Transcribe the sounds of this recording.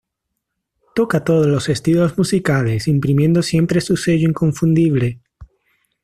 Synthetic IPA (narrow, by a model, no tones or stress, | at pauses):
t̪o̞kat̪o̞ðozlo̞se̞st̪ilo̞zmusikale̞simpɾimje̞nd̪o̞sje̞mpɾesuse̞ʝoiŋko̞ɱfund̪iβle